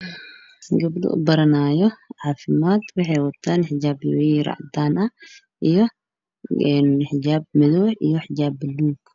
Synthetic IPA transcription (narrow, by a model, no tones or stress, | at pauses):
ɡɐbd̪ṵʔbɐɾɐnajoʕafimat̪wiħewɔt̪ʰːɐnħɪd͡ʒabiɾa̰ʕd̪ana | ʔɨjo | ħd͡ʒab̚mɨd̪uħʔɨ̰jːoħɪd͡ʒabːɨluk